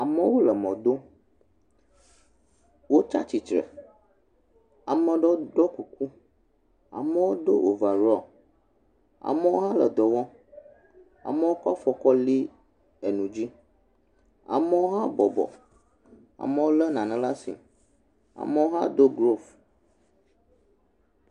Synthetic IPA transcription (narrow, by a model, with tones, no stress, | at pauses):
a˨mɛ˦wo˦lə˨mɔ̃˨d̪o˦ | wo˦t͡ʃa̰˦t͡ɕi˨t͡ʃɾɛ̰˨ | a˨mə˦ɖɔ˦ɖɔ˦ku˨ku˦ | a̰˨mɛ˦wo˦ɖ̪o̰˦ʔo̰˨va˨ɾɔ˦˨ | a̰˨mɛ˦wo˦ɦã˦lə̰˨d̪ɔ˨wɔ̃˦ | a̰˨mɛ˦wo˦kɔ˦fɔ˨kɔ˦li˦ | ɛ˨nũ˨d͡ʑi˦ | a̰˨mɛ˦wo˦ɦã˦bɔ˨bɔ̰˨ | a̰˨mɛ˦wo˦lə˦nã˨nɛ̃˨la˦sḭ˨ | a̰˨mɛ˦wo˦ɦã˦d̪o˦ɡɾo˦f